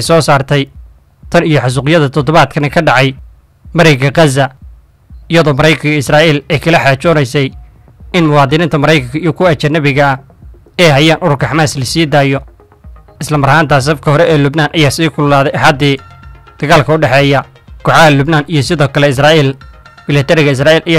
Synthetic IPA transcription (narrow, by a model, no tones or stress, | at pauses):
sɔːsaːrt̪ʰɛj | t̪ʰɐnijɔħɑs̬ʊːqɪjɐðɐt̪ʰɔd̪ɔβaːd̪kʰɐnɛkʰɐɖɑʕɑj | mɐɾɛɡɐqɑzɐ | ɪjɐðɔːmɐɾɛjkʰɐŋkʰɐɪsraːʔiːlɛːjkʰɐlɐħaːt͡ʃɔːnɛjsɛj | ɪnmʊwɑːd̪ɪnɪːnt̪ʰɐmɐɾɛjkʰɐŋkʰɐijɔkʰʊɐt͡ʃɐnːɐβɪɣɐɐ | ɛːhɐjaːnʔʊɾʊrkʰɐħɑmaːslɐsiːd̪aːjɔ | ɪslɐmɐɾhaːnt̪ʰas̬ɐfkʰɐɦɔɾɛʔɛːlʊbnaːnʔɐjaːsiːkʰʊllaːðɛjɐħaːd̪iːd̪̥ɐɣaːlkʰɐʊɖɛħɛːjɐ | kɔħɑɐlʊbnaːnijɞsɪðɔːkʰɐlɛɪs̬raːiːlmɪlɐt̪ʰɛɾɪɣɐɪs̬raːiːlʔɐja